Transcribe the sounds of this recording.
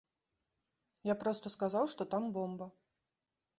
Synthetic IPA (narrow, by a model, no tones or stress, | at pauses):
japɾɔst̪ɐskazawʂt̪ɔt̪ambɔmbɐ